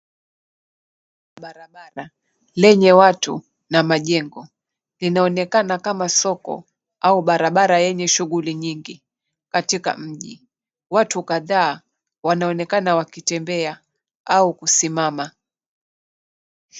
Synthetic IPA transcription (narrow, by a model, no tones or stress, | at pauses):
ɓaɾaɓaɾa | lɛɲɛwatṵ | namaʄɛŋɡɔ | linaɔnɛkanakamasɔkɔ̰ | auɓaɾaɓaɾajɛɲɛʃuɣuliɲiŋɡi | katika̰m̩ʄḭ | watukaðaː | wanaɔnɛkanawakitɛmbɛa | aukusimama